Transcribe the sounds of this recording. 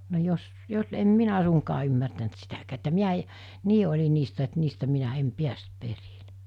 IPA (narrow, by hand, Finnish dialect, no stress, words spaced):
no jos jos em minæ suŋkɑː ymːærtænt sitækæː etːæ miæ e niː olʲi niːstæ et niːstæ minæ em piæst perile̥